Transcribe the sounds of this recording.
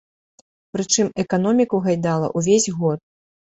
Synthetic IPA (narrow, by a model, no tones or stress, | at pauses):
pɾɨt͡ʂɨmɛkanɔmʲikuɣajd̪alˠɐ̰ʔuvʲezʲɣɔt̪̚